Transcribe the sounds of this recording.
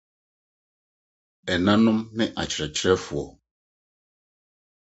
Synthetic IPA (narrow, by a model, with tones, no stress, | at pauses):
ɛ˨nã˦nʊ̃˦mnɪ˦ʔa˨t͡ʃɾɛ˨t͡ʃɾɛ˦fu˨ɔ˨